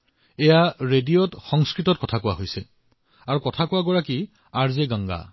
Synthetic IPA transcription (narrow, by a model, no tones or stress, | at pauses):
ɛjaɹediɔtxɔŋskɹitɔt̚kɔtʰakʊwa̰ɦojsɛ | aɹukɔtʰakʊwaɡɔɹaki | aɹzeɡaŋɡa̰